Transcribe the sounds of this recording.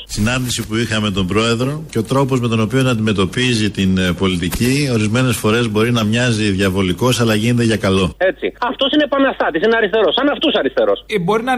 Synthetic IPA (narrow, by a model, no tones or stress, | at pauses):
sinɐnd̪isipuixɐme̞t̪o̞mbɾo̞e̞ðɾo̞ce̞o̞t̪ɾo̞po̞zme̞t̪o̞no̞pio̞nɐnd̪ime̞t̪o̞pizit̪inpo̞lit̪icio̞ɾizme̞ne̞sfo̞ɾe̞zbo̞ɾinɐmɲɐziðʝɐvo̞liko̞sɐlɐʝinet̪eʝɐkɐlo̞e̞t͡sḭɐft̪o̞sinepɐnɐst̪ɐt̪isineɐɾist̪e̞ɾosɐnɐft̪usɐɾist̪e̞ɾo̞sbo̞ɾinɐ